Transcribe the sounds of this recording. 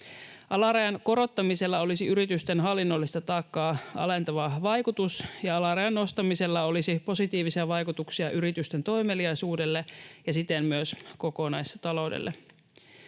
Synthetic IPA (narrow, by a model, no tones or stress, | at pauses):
ʔɑlɑɾɑjɑnko̞ɾo̞t̪ːɑmise̞lːɑo̞lisiyɾit̪yst̪enɦɑlːinːolːist̪ɑt̪ɑːkːɑːɑ̰lent̪ɑʋɑʋɑjkut̪usjɑɑlɑɾɑjɑnːo̞st̪ɑmiselːɑo̞lisipo̞sit̪iːʋisiɑʋɑjkut̪uksiɑʔyɾit̪yst̪ent̪o̞jmeliɑjsuːdelːejɑsit̪enmyøsko̞konɑjst̪ɑlo̞wdḛlːʔe